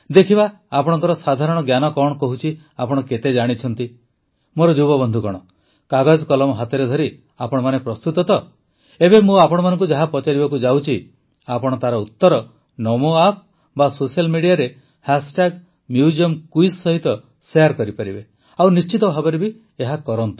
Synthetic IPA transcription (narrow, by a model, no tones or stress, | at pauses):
d̪ekʰiba | apɔɽ̃ɔ̃ŋkɔɾɔsad̪ʱaɾɔɽ̃ɔɡjanɔkɔɽ̃ɔkɔɦut͡ʃʰi | apɔɽ̃ɔket̪ed͡ʒaɽ̃it͡ʃʰɔnt̪i | moɾɔd͡ʒubɔbɔnd̪ʱukɔɽ̃ɔ | kaɡad͡ʒkɔlɔmɔɦat̪ɔɾed̪ʱɔɾi | apɔɽ̃ɔmanepɾɔst̪ut̪ɔt̪ɔ | ebemũapɔɽ̃ɔmanɔ̃ŋkud͡ʒaɦapɔt͡ʃaɾibakud͡ʒawt͡ʃʰi | apɔɽ̃ɔt̪aɾɔut̪ːɔɾɔ | nɔmoap̚ | basosialmiɽijaɾe | hasʈaɡ | mjud͡ʒiɔmkujsːɔɦit̪ɔ | seaɾkɔɾipaɾibe | awnist͡ʃit̪ɔbʱabɔɾibi | eɦakɔɾɔnt̪ɔ̥